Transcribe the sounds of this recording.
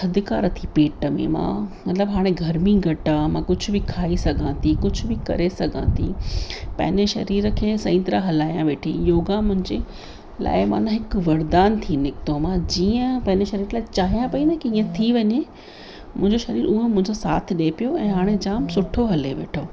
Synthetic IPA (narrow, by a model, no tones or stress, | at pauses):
sɐd̪ʱɪkaːɾɐt̪ʰipeːʈəmḛ̃mã̰ːmɐt̪ləbɦaːɽ̃eɡʱɐɾmiɡʱɐʈamãkʊd͡ʑʱʊ̆bʱɪkʰaːisɐɡʱãːt̪ʰikʊd͡ʑʱʊ̆bɪkɐ̰ɾesɐɡʱã̰ːt̪ʰḭpɐ̰̃ɦɪ̃ɲeʃɐ̰ɾiːɾəkʰeːsɐ̃ɪ̃nt̪ɾaɦɐlaːjãʋeːʈʰḭjoːɡãmʊ̃ɦɪ̃ɲd͡ʑe | la̰ːɪmã̰ːnãɦɪkʋɐɾd̪aːnt̪ʰiːnɪkt̪omãd͡ʑiːə̃pɐ̃ɦɪ̃ɲd͡ʑeʃɐɾiːɾlaːɪt͡ɕaːɦijãpɐinɐkiĩːə̃t̪ʰiʋɐɲe | mʊ̃ɦɪ̃ɲd͡ʑoʃɐɾiːɾuɦẽmʊ̃ɦɪ̃ɲd͡ʑosaːt̪ʰɗepijoɛ̃ːɦaːɽ̃ed͡ʑaːmsʊʈʰoɦɐleʋḛːʈʰoː